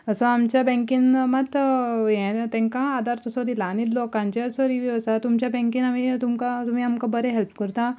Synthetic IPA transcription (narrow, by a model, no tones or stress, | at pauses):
əsɔ̃amt͡ɕjabɛ̃ŋkinmat̪jɛ̃t̪ɛ̃ŋkãːd̪aɾt̪əsɔ̃d̪ilãnit̪lokãnt͡ɕeəsɔɾiʋiʋəsat̪umt͡ɕjabɛ̃ŋkinamit̪umkat̪um̤iːamkabəɾɛɦɛlpkəɾt̪a